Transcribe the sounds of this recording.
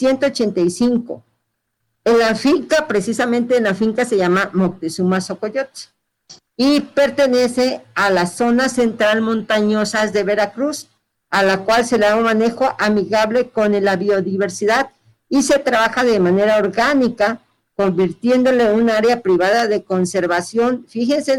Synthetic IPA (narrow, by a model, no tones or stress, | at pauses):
sje̞nt̪o̞ːt͡ʃe̞nt̪ajsiŋko̞̰ | enlafiŋkapɾe̞sisamẽnt̪e̞nlafiŋkase̞ʝamamok̚t̪esumaso̞ko̞ʝo̞t̪ | ipe̞ɾt̪e̞ne̞se̞alaso̞nase̞nt̪ɾalmõ̞nt̪aɲo̞sazðe̞βe̞ɾakɾus | alakwalse̞laomane̞xo̞ʔamiɣaβle̞ko̞nelaβio̞ðiβe̞ɾsiðað | ise̞t̪ɾaβaxaðe̞mãne̞ɾaoɾɣanika | ko̞mbiɾt̪je̞nd̪o̞le̞unaaɾeapɾiβaðaðeko̞nse̞ɾβasjo̞nfixe̞nse